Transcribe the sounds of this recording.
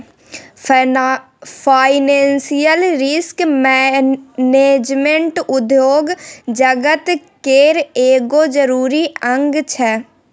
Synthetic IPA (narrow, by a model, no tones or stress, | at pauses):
pʰaːɪnẽːnsijəlɾɪskmɛ | neːd͡ʒmẽɳʈʊd̪joːɡd͡ʒəɡət̪ | keːɾeːɡod͡ʒəɾuːɾiə̃ŋɡt͡ʃʰɛː